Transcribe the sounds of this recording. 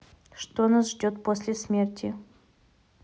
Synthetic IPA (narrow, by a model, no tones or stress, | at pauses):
ʂt̪onasʐdʲot̪posʲlʲɪsʲmʲertʲɪ